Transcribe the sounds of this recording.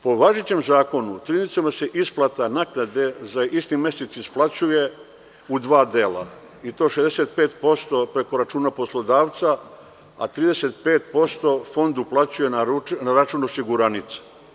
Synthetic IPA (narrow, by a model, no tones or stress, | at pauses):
po̞ʋaʒet͡ɕe̞mzaːko̞nut̪ɾinit̪samase̞ʔisplˠat̪anaknad̪e̞zaist̪ime̞set̪sisplˠat͡ɕuje̞ | ud̪ʋaːd̪e̞ːla̰ | it̪o̞ːʃezd̪e̞se̞t̪pe̞ːt̪po̞st̪o̞pɾe̞ko̞ɾat͡ʃuːnapo̞slˠo̞d̪aːʋt̪sa | a̰t̪ɾiːd̪e̞se̞t̪̚pe̞ːt̪po̞st̪o̞fo̞nd̪uplat͡ɕuje̞nanaɾat͡ʃuːnosiɡuɾanit̪sḁ